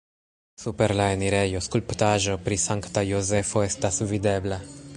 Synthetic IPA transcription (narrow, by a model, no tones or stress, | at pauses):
supe̞ɾlaeniɾe̞jo̞skulptaʒo̞pɾisaŋktajoze̞fo̞e̞stasvide̞bla